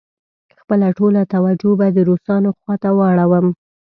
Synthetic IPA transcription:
xpəlaʈolat̪awad͡ʒobad̪əɾosɑnoxwɑt̪awəɽawəm

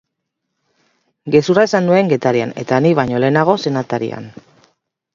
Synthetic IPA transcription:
ɡe̞suraesanːue̞ŋɡe̞t̪aɾia̰ne̞̰t̪aniβaɲo̞le̞ːnaɣ̞o̞se̞nat̪aɾḭa̰n

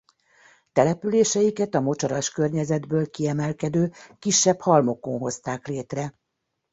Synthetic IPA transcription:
t̪ɛlɛpyleːʃɛjikɛt̪ɒmo̞t͡ʃɒɾɒʃkørɲɛzɛd̪bøːlkiɛmɛlkɛd̪øːkiʃːɛphɒlmo̞ko̞nɦo̞st̪aːkleːt̪rɛ

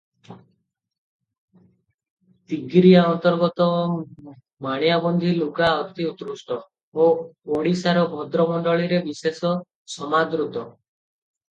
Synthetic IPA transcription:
t̪iɡɾiaɔnt̪ɔɾɡɔt̪ɔ | maɽ̃jabɔnd̪ʱilukaɔt̪iut̪ɾusʈɔ | ooɽ̃isaɾɔbʱɔd̪ɾɔmɔɳɖɔɭiɾebisesɔ | sɔmad̪ɾut̪ɔ

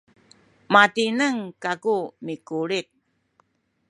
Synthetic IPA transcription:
matinəŋkakumikuɾik̚

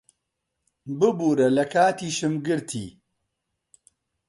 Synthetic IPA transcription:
bɨbuːɾɐlɐkʰaːt̪iːʃɨmɡɨɾt̪ʰḭː

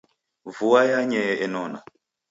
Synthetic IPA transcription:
vuajaɲɛɛnɔna̰

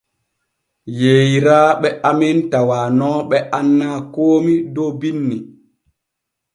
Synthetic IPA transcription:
jeːjiɾaːɓɛʔamintawaːnɔɓɛʔanːaːkoːmidɔbinːi

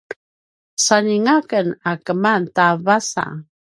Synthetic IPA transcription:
saniŋakənakəmantavasa̰

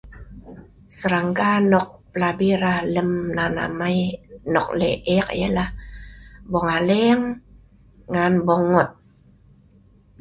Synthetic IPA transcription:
səɾaŋkanɔk̚pəlabiɾahləmnana̰majnɔk̚lḛʔɛk̚jə̰lah | bɔŋaleŋː | anbɔŋɔt̪̚

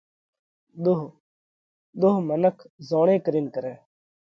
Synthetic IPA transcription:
ɗ̪oɦ | ɗ̪oːɦmənəkʰzoːɳ̃ẽːkəɾiːnkəɾɛː

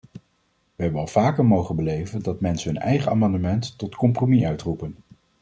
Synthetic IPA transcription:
ʋəɦɛbənɑlˠv̥aːkəɹmowχənbəlejvəndɑtmɛnsəɦɵnɛ̰jχəa̰ːmɑndəmɛntːɔtkɔmpromiʔœɥtrupən

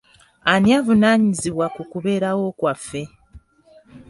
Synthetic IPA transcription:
aniavunaːɲiziβwakukuβe̞ːɾawo̞ːkwafːe̞

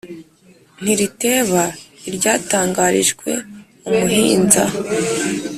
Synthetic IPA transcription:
n̥iɾite̞ːβaiɾɟaːtaːŋɡaɾiʒɡwe̞̰ | umuɦiːnza̰

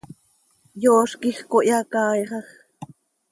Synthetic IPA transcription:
joːʃkixkoʔjɑkɑːjɢɑχ

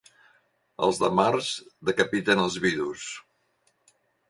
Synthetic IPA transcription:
ə̰lˠzðəmarzðəkəpit̪ənəlˠzβiðus

